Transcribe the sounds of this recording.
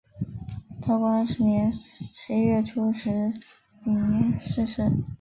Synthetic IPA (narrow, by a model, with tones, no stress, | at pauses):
t̪ʰa˥˩ʊkwa˥nʂɻ̩˧˥njɛ˧˥nʂɻ̩˧˥i˥ɥɛ˥˩ʈ͡ʂʰu˥ʂɻ̩˧˥ | i˨˩n˧˥ʂɻ̩˥˧ʂɻ̩˥˩